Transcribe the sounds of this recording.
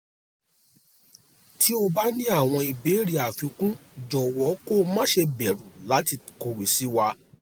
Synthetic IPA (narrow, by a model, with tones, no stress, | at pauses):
ti˨˦o˧ba˦nĩ˦a˦˨w̃ɔ̃˧i˨be˨˦ɾi˦a˨fĩ˧kũ˦d͡ʒɔ˨wɔ˨˦ko˦˧mã˦ʃe˧bɛ˨ɾũ˨la˨˦ti˧ko˧wi˨si˨˦wa˧